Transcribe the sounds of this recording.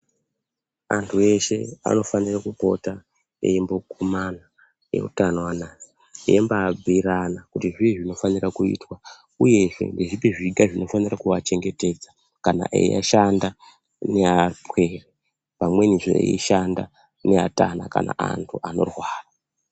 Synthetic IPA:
a̰ntʰue̞ʃe̞a̰no̞fanirakupo̞ta | ḛimbo̞kumana | je̞̰ṵtanowanaːsi̥ | jembaːb͡vʱiɾanakutiʐiiʐino̞fanirakuḭːtwa | uje̞ʐe̞̰ndeʐipeʐiɡʱaʐino̞fanirakuʋat͡ʃe̞ŋɡe̞te̞ːd͡za | kana̰ʔḛa̰ʃanda | ne̞ape̞ːre | pamwe̞niʐo̰ḛiʃanda | ne̞ata̰na̰ka̰na̰a̰ntʰuʔano̞̰rwaːra

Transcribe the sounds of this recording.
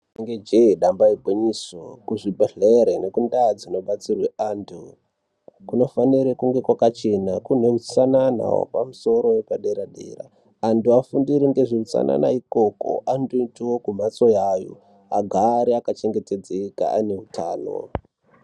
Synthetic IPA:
iŋɡed͡ʒeɗambaibʱoɲisokuʐibʱeɮeɾene̞kundad͡zino̞ɓat͡sirwe̞aːntʰu | kuno̞faniɾekuŋɡe̞kwakat͡ʃe̞nakun̤eut͡sanana̰wo̰pa̰muso̞ɾo̞jepaɗe̞ɾaɗḛra̰ː | ntuafundiɾiŋɡe̞ʐiut͡sa̰na̰na̰iko̞ko̰ʔanduntiwokum̤at͡so̞jajo̰ | aɡʱaɾiakat͡ʃeŋɡete̞d͡zeka̰ane̞ɦutaːno̞̰

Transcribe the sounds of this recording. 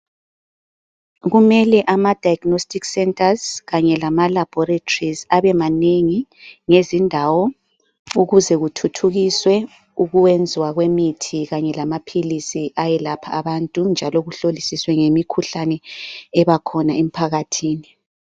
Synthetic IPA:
ɣumɛlɛʔamad̥ʱajɡnostʼiksɛntʼʰazɣaɲɛlamalab̥ʱɔɾetʰʼrizaβɛmaneŋiŋezindʱawɔ | uɣuzɛɣutʰutʰuɣiswɛ | uɣuwend͡zʱiwaɣwemitʰiɣaɲɛlamapʰilisiʔajɛlapʰaːβantʼund͡ʒʱalɔɣuɬolisiswɛŋemikʰuɬanɛɛβakʰɔnaem̩pʰaɣatʰiːni

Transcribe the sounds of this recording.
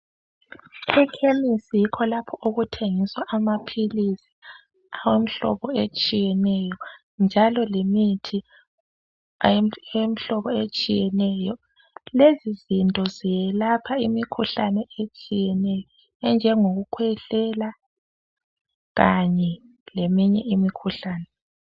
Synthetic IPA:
ɛkʰemisijikʰɔlapʰɔuɣutʰeŋiswaʔamapʰilisi̥ | awem̩ɬɔ̰βɔet͡ʃʼijɛnɛjɔ | nd͡ʒʱalɔlemitʰi | em̩ɬɔβɔet͡ʃʼijɛnɛjɔ | lezizintʼɔzijɛlapʰaimikʰuɬanɛet͡ʃʼijɛnɛjɔ | ɛnd͡ʒʱɛŋoɣukʰwɛɬɛla | ɣaɲɛ | lemiɲɛ̰ʔimikʰuɬaːnɛ

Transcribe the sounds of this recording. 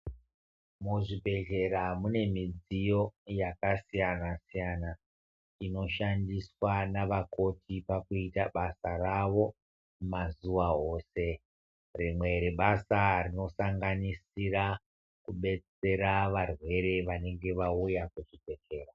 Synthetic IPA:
muʐibʱe̞t͡ʃe̞ɾamune̞mid͡zijo̞jakasijanasijana | ino̞ʃandiswanaʋako̞tʰipakuitaɓasaraʋo̞ | mazuʋao̞ːse̞ | rimwe̞ɾeɓasarino̞saŋɡanisira | kuɓe̞t͡se̞ɾaʋarwe̞ɾe̞ʋane̞ŋɡe̞ʋaujakuʐibʱe̞t͡ʃe̞ːra

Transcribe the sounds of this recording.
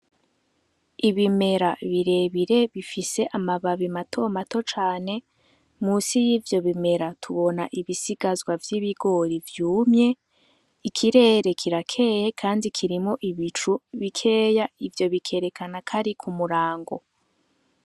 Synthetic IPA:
iβime̞ɾaβiɾe̞βiɾe̞βifise̞ʔamaβaβimatʰo̞mato̞t͡ʃaːne̞ | muːsijiːvjo̞βime̞ɾatʰuβo̞naʔiβisiɡ̥azwavjiːβiɡo̞ɾivjuːmɲe̞ | ikʰiɾe̞ːɾe̞kʰiɾakʰe̞ːje̞kʰaːndikʰiɾimo̞ʔiβit͡ʃuβikʰe̞ːjaivjo̞βikʰe̞ɾe̞kʰanakʰaɾikʰumuɾaːŋɡo̞̰

